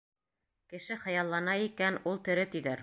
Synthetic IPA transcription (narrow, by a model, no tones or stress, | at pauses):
kɘ̆ʃɘχɤ̆jɑlˠːɑnɑikænulˠt̪ɵ̆ɾɘt̪ɵ̆ðæɾ